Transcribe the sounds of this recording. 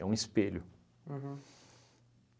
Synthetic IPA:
ɛũɪspeʎʊ̃ | ɦ

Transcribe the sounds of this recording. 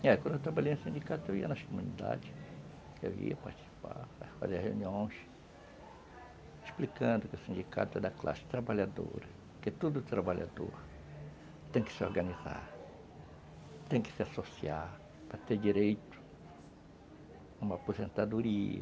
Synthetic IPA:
ɛkwɐ̃nd̪ewt̪ɾabaʎejnʊ̃sĩnd͡ʒikat̪ʊewiɐnɐskomũnid̪a̰d͡ʒɪ | ḛwḭɐpaɾt͡ʃi̥si̥pa̰fa̰zeɾheũniõj̃s | eʃplikɐ̃nd̪ʊkɪʊsĩd͡ʒikʰa̰t̪ʊɛd̪ɐkla̰sɪ̥t̪ɾabaʎad̪o̰ɾɐ | kɪt̪od̪ʊt̪ɾabaʎa̰d̪o̰ɾ | t̪ẽj̃kɪ̥sɪoɾɡɐniza̰ɾ | t̪ẽj̃kɪ̥sɪasosiaɾ | pɾɐt̪eɾd͡ʒiɾejt̪ʊ̥ | ũmɐːpozẽnt̪ad̪oɾiɐ̰

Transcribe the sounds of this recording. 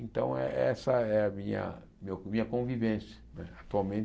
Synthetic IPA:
ẽnt̪ɐ̃w̃ɛ̰ɛsɐɛɐmĩɲɐ̰ | memĩɲɐkõvivẽsjɐ̥nɛat̪uawmẽnt͡ʃ

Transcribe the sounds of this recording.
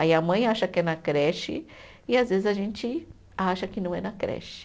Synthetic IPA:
aiɐmɐ̃j̃aʃɐkɪɛnɐkɾɛʃɪ̰ | ɪazvezɪzaʒẽnt͡ʃɪ | aʃɐkɪnɐ̃w̃ɛnɐkɾɛ̰ʃɪ̥

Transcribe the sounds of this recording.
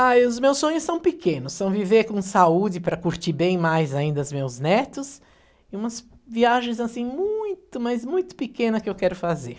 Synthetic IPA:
ajʊzmewsːõɲʊsɐ̃w̃pɪkẽnʊsːɐ̃w̃viveɾkõsaud͡ʒɪpɾɐkuɾt͡ʃibẽj̃majzaĩnd̪ɐʊzmewznɛt̪ʊs | ɪũmɐs | viaʒẽj̃zasĩmũj̃t̪ʊmajzmũj̃t̪ʊ̥pɪkẽnɐkɪewkɛɾʊfazḛɾ

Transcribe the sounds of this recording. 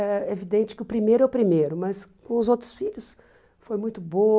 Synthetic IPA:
ɛevid̪ẽnt͡ʃɪ̥kɪʊpɾimejɾʊɛʊpɾimejɾʊmɐskõʊzowt̪ɾʊ̥sfiʎʊs | fojmũj̃t̪ʊbo

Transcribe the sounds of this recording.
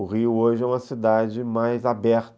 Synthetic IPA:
ʊʁiʊoʒɪɛũmɐsid̪ad͡ʒɪmajzabɛɾt̪

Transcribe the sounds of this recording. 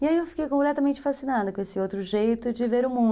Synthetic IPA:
iaiewfi̥kejkõmplɛt̪ɐmẽnt͡ʃɪfasinad̪ɐkõesɪowt̪ɾʊʒejt̪ʊd͡ʒɪveɾʊmũ

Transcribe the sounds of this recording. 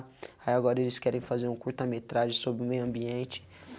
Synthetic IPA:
aiaɡɔɾɐelɪskɛɾẽj̃fazeɾũkuɾt̪amet̪ɾaʒẽsobɾɪʊmejɐ̃mbiẽnt͡ʃɪ̥

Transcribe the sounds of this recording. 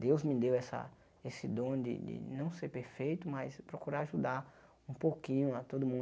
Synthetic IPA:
d̪ewzmɪd̪ewɛsɐ̰ | esɪd̪õd̪ɪ̰d̪ɪ̰nɐ̃w̃seɾpeɾfejt̪ʊmaspɾokuɾaɾaʒud̪aɾ | ũpokĩɲʊat̪od̪ʊmũ

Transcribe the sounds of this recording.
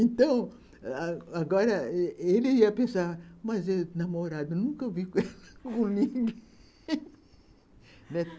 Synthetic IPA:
ẽnt̪ɐ̃w̃ | aɡɔɾɐelɪiɐpẽsamɐzewnɐmoɾad̪ɐnũkɐvikɛlɐ̥kõliɡ | nɛ

